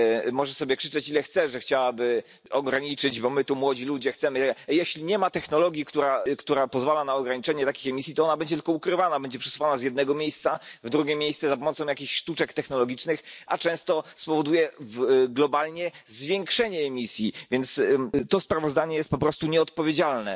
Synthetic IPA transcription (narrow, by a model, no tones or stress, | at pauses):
mɔʐɛsɔbʲjɛkʂɘ̥t͡ʂɛt͡ɕilɛxt̪sɛʐɛxt͡ɕawabɘ | ɔɡɾaɲit͡ʂɘd͡ʑbɔmɘt̪umwɔd͡ʑilud͡ʑɛxt̪sɛmɘjɛɕlʲiɲɛmat̪ɛxnɔlɔɡʲjikt̪uɾakt̪uɾapɔzvalanaɔɡɾaɲit͡ʂɛɲɛt̪akʲixɛmʲisʲjit̪ɔɔnabɛɲd͡ʑɛt̪ɘlkɔukɾɘvanabɛɲd͡ʑɛpʂɛ̥su̥fanazjɛd̪nɛɡɔmʲjejst̪savd̪ɾuɡʲjemːʲejst̪sɛzapɔmɔt̪sɔ̃w̃jakʲiɕʂt̪ut͡ʂɛkt̪ɛxnɔlɔɡʲit͡ʂnɘxa̰t͡ʂɛ̃w̃st̪ɔspɔvɔd̪ujɛvɡlɔbalɲɛzvʲjɛŋkʂɛɲɛːmʲisʲjivʲjɛnt̪st̪ɔspɾavɔzd̪aɲɛjɛst̪̚pɔpɾɔst̪uɲɛɔt̪̚pɔvʲjed͡ʑalnɛ